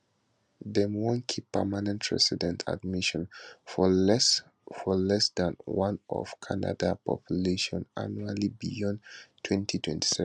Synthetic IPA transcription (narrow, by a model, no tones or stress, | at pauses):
dɛmɔ̃nkʰipːɛmanɛ̃ntʰɹɛ̰sidɛ̃ntʰa̰dmiʃɔ̃nfɔɛs | fɔlɛsdãnwãnʔɔ̰fkʰana̰dapʰɔ̰pʰjuleʃɔ̃nʔa̰njualibḭjɔ̃ndtʰwɛ̃ntʰitʰwɛ̰̃nti̥sɛṽ